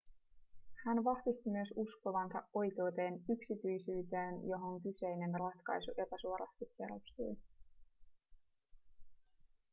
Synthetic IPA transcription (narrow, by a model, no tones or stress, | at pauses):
hænʋɑhʋist̪imyøsusko̞ʋɑnsɑ̰ʔo̞jke̞ːt̪e̞ːnyksit̪yjsyːt̪eːnjo̞ɦo̞ŋkyse̞jne̞nrɑt̪kɑ̰jsuʔe̞pæsuo̞ɾɑ̰st̪ikːeɾost̪ṵj